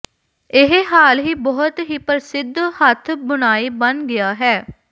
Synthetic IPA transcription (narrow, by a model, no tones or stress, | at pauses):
ɪɦɦaːlɦiːbɔːʊt̪ɦiːpəɾsɪd̪hət̪ʰbʊnaːiːbənɡɪaːɦɛː